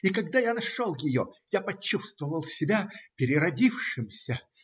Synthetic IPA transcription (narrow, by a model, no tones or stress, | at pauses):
ikɐɡd̪ajanɐʂolˠjɪjojapɐt͡ɕːust̪vəvəlˠsʲɪbʲapʲɪɾʲɪɾɐdʲifʂɨmsʲə